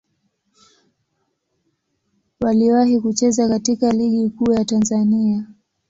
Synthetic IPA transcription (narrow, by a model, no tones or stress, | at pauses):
waliwahikut͡ʃɛzakatikaliɠikuːjatanzania